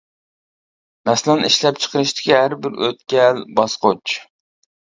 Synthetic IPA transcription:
mɛslɑniʃlɛp̚t͡ʃʰə̥qʰəɾɨʃt̪ɪ̥kʲihæɾbɪɾø̰t̪̚kʲɛlbɑsqot͡ʃ

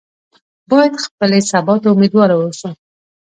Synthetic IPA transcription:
bɑjad̪xpəlesabɑt̪aʊmed̪wɑɾawəʃu

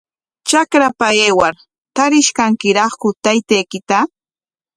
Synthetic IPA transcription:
t͡ʃakɾapaeːwaɾ | t̪aɾɪʃkaŋkɪɾɑχkʊt̪ajt̪ejkɪt̪a

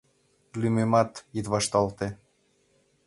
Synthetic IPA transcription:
lymemɑt̪jit̪βɑʃt̪ɑlt̪e

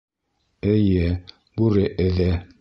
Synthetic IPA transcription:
ɘ̆jɘ | bʉɾɘʔɘ̆ðæ

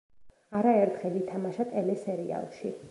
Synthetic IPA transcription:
aɾaɛɾt̪ʰχɛlit̪ʰamaʃat̪ʼɛlɛsɛɾia̰lˠʃi

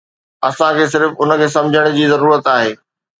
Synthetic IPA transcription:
ɐsãkʰeːs̬ɪɾfʊnə̆kʰeːsɐ̃md͡ʑʱəɽ̃̆d͡ʑiːzɐɾuːɾət̪aːɦeː

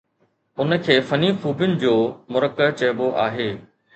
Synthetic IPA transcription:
ʊnəkʰeːfɐnifuːbjʊnɪ̆d͡ʑoːmʊɾəkət͡ɕɐjboʔaːɦeː

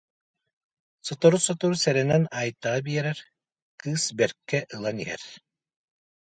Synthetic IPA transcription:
sɔt̪ɔɾusɔt̪ɔɾusɛɾɛnɛnajt̪ːaʁabiɛɾɛɾ | kɯːsbɛɾkːɛʔɯlˠaniɦɛ̰ɾ

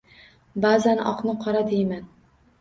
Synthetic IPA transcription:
baːzanɒ̰qnɪqʰɒɾad̪ejman

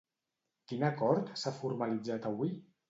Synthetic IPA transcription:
kinakɔɾt̪safuɾmalid͡zat̪aβwi

